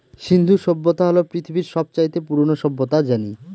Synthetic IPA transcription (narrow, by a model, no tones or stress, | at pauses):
ʃind̪ʱuʃɔbːot̪aɦɔlopɾit̪ʰibiɾʃɔb̚t͡ɕajt̪epuɾonoʃɔbːot̪ad͡ʑani